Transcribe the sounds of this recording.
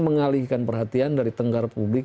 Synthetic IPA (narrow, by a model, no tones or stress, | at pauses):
məŋalihkanpərɦat̪iandaɾit̪əŋɡaɾpublɪk